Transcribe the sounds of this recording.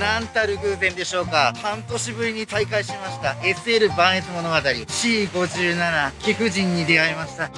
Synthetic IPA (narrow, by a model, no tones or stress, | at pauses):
nãnt̪aɾɯ̟ɡɯ̟ːzẽ̞nd̪e̞ɕo̞ːkahãnt̪o̞ɕibɯ̟ɾʲiɲ̟it̪aikaiɕit̪emaɕi̥t̪ae̞sɨe̞ɾɯ̟bãɰ̃e̞t͡sɨmo̞no̞ɡat̪aɾʲiɕiːɡo̞ʑɨːnanakʲekɯ̟ʑĩɲ̟ːid̪e̞aemaɕi̥t̪a